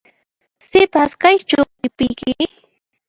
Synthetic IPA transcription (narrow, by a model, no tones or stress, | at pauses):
sɪpaskajt͡ʃʊ | ɪpɪjkɪ